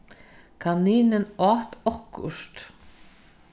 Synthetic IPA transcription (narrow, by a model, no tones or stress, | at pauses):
kʰaniːnɪnɑːt̪ɔhkʊ̰ʃt̪